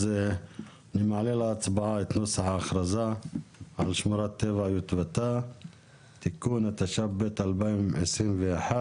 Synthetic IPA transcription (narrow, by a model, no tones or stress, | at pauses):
ze | nimʕalelaːt͡sbaʕaet̪nosaħaːχɾazaʕalʃmuɾat̪ːevaʕjut̪vat̪a | t̪ikunat̪aʃabbet̪albaimʕesɾimveaħa